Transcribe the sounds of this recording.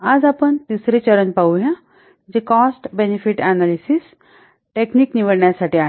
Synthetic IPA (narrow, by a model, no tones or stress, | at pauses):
ad͡zapəɳt̪isɾet͡ɕəɾənpauɦjã | d͡ʑekɔsʈbenifiʈɛnalisis | ʈekniːkniʋəɽɳjasaʈiːaɦ